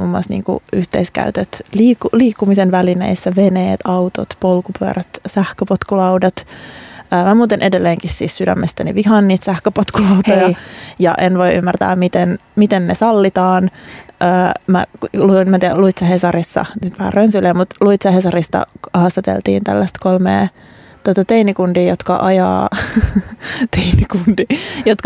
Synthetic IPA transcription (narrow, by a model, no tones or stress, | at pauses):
mumːuɑst̪nḭːŋkṵyht̪ḛiskæ̰yt̪øt̪liːkːuliːkːumisenʋælinḛisːæʋeneːt̪ʰɑwt̪o̰t̪polkupyø̰ræt̪sæhkøpot̪kulɑwdɑt̪ | əːmæmuːt̪inʔedelːeːŋkissiːssydæ̰mːest̪ænḭʋiɦɑnːiːt̪sæhkøpot̪kulɑwt̪ojɑjɑ̰ʔenʋojʔy̰mːært̪æ̰ːmmit̪enmit̪ennesɑlːit̪ɑːnʔəːmæ̰lunmæt̪iluit̪sɑhesɑrisːɑ̰nyt̪ʋæhæ̰rønsyleːmmut̪luit̪sɑhesɑrist̪ɑ̰hɑst̪ɑt̪ḛlt̪ḭːnt̪æ̰lːæst̪kolmḛː | t̪uot̪ɑt̪einikundiːjot̪kɑ̰ʔɑjɑ̰ː | t̪ʰeinikundijot̪kɑ